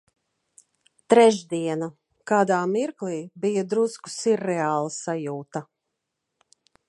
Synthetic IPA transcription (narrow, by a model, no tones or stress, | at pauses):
t̪ɾɛʒd̪iɛna | kaːd̪aːmiɾklˠiːbijad̪ɾusku̥siɾːɛaːlˠasajuːt̪a